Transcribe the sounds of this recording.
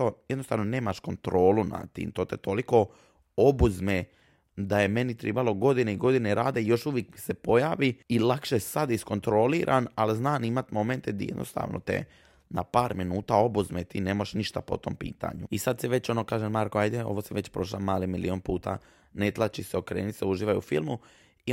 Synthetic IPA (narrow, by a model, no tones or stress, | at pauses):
ojed̪nost̪aːʋnone̞ːmaʃko̞nt̪ɾo̞ːluna̰t̪ḭːmt̪o̞ːt̪et̪o̞liko̞ | o̞buzme | d̪aje̞me̞nit̪ɾebalˠo̞ɡo̞d̪ineiɡo̞d̪ineɾaːd̪e̞jo̞ʃuʋjekmisepo̞jaːʋiilakʃesad̪isko̞nt̪ɾo̞liɾʔanaliznaːnimat̪mo̞ment̪ed̪jed̪nost̪a̰ːʋno̰t̪e̞̰ | napaːɾminuːt̪ao̞buzmet̪ineːmojʃniʃt̪apo̞̰t̪o̞̰mpḭːt̪a̰ɲuisad̪siʋe̞t͡ɕo̞nokaːʒemaɾkoajd̪eo̞̰ʋosiʋe̞t͡ɕpɾo̞ʃ̬lamaːlimilio̞npuːt̪a̰ | net̪lˠat͡ʃiseo̞kɾeːnit̪seuʒiːʋajṵfilˠmu | i